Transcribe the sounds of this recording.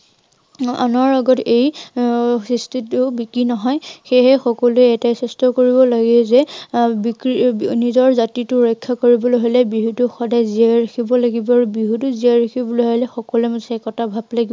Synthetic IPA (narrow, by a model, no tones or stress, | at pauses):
a̰nɔɹaɡɔtej | sɹistʰitʊbikɹinɔɦɔjxeɦɛxɔkɔluɛɛtajsɛstɔkoɹibɔlaɡɛzɛbikɹinizɔɹzatitʊɹɔjkʰːakoɹibɔloɦojlɛbiɦutʊxɔdajziaɹaxʰibɔlaɡibɔaɹubiɦutʊziaɹaxʰibɔloɦojlɛxɔkɔluɛmsɛkɔtʰabʱablaɡi